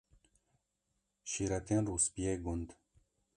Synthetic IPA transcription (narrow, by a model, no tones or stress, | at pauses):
ʃiɾat̪ʰenruspijeɡund̪